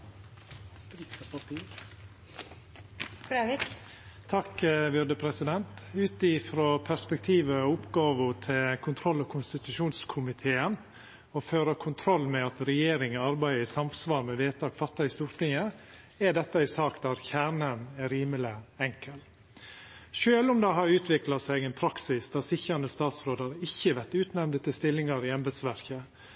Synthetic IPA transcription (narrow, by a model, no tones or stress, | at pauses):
tɾikəpɑpʰiːɾ | ɾʋɪ | t̪ʰɑkʋʏd̪əpʰɾɛsɪd̪ɛnt̪ʉːt̪ɪfɾoːpʰæɾspɛkt̪ʰiːʋəʊpɡɑːʋʊt̪ʰɪlkʰʊnt̪ʰɾɔlːɔkʰʊnst̪ɪt̪ʉʂuːnskʰʊmɪt̪ʰeːən | ɔføːɾəkʰʊnt̪ʰɾɔlːmɛɑt̪ɾɛjeːɾɪŋəɑɾbæɪɪsɑmsʋɑːɾmɛʋeːt̪ʰɑːkfɑt̪ːɑɪst̪uːɾt̪ɪŋə | æɖ̪ɛt̪ːəɪsɑːkd̪ɑɾçæːɳənɛɾiːmələɛŋkəl | ʃøːlʊmd̪ɛɦɑɾʉːt̪ʰʋɪklɑsæɪɡɛɪnpʰɾɑksɪsd̪̥ɑsɪçəɾɑnəst̪ɑːt̪sɾoːd̪əɾɪçːəʋæɾt̪ʉːt̪nɛmd̪ət̪ʰɪlst̪ɪlːɪŋɑɾɪɑnbəd̪sʋæɾkə